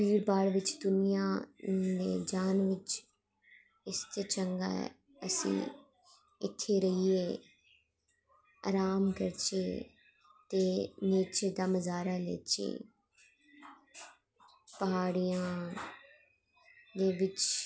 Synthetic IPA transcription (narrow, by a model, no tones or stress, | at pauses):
piːɾbaːɽʋɪt͡ʃd̪ʊnijãːd̪eːd͡ʒaːnʋɪt͡ʃ | ɪst̪eːt͡ʃəŋɡa̰ːɛ̰ | əsḭ̃ː | ɪt̪ʰːeːɾəiːeː | a̰ːɾaːmkəɾt͡ʃeː | t̪eːneːt͡ʃeːd̪aːməzaːɾaːlɛ̰ːt͡ʃḛː | pəɦaːɽijãː | d̪eːʋɪt͡ʃ